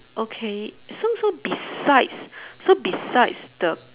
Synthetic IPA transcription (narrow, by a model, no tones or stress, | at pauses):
ʔokʰesosobisaɪdssobisaɪtsd̥ə